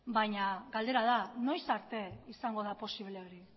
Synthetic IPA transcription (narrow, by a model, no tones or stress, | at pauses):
bajɲaɡald̪e̞ɾað̞ano̞jsaɾt̪e̞isaŋɡo̞ðapo̞siβleo̞ɾi